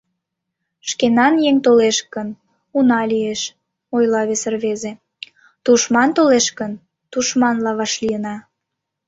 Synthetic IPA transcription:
ʃkenɑnjeŋt̪oleʃkən | unɑlieʃ | ojlɑβesərβeze | t̪uʃmɑnt̪oleʃkən | t̪uʃmɑnlɑβɑʃlijənɑ

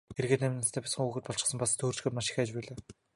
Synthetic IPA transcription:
xeɾɣeːt̪næmʲnast̪ʰæːpʲasχə̆ŋuːɣɘ̆t̪̚pɔɮt͡ɕɪ̥̆sə̆mpast̪ʰːoːr̥t͡ɕɡeːt̪maʃɪ̥xaːt͡ɕpæːɮaː

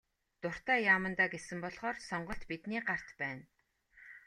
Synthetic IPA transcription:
t̪ʊr̥t̪æːjaːmə̆nt̪aːɡesɘ̆mpɔɮχɔːrsɔɴɢɞ̆ɬt̪pit̪niːɢar̥t̪pæːn

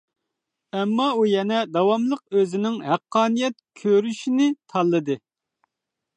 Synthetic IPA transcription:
ɛmːɑujɛnɛd̪ɑwɑmlˠəq̚øzɪnɪŋhæqʰːɑːnijɛt̪̚kʲʰøɾyʃinɪt̪ʰɑlˠːɨd̪ɨ

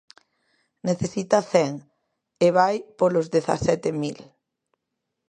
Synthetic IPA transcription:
neθesit̪ɐθɛŋ | eβajpolozðeθa̰sɛt̪emil

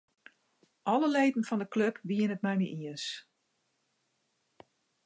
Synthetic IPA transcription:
ʔɔləleːdn̩fɔndəkløpʋiənət̚mɛjmḭʔiəs

